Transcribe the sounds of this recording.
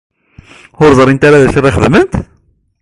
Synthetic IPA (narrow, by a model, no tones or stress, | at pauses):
ʊɾzˤɾˤint̪aɾaðæʃərˤːiχəðmənt̪